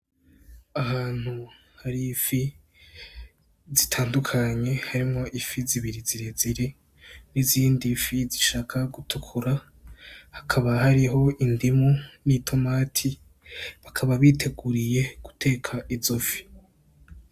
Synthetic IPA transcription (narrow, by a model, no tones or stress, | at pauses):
aɦaːn̥hu | haɾifi | zitʰaːndukʰaɲe̞haɾimo̞ʔifiziβiɾiziɾeziɾi | niziːndifiziʃaːkʰaɡutʰukʰuɾa | hakʰaβahaɾiɦo̞indimunitʰo̞matʰi | βakʰaβaβiːtʰe̞ɡuɾije̞ɡ̥u̥tʰe̞ːkʰaʔizofi̥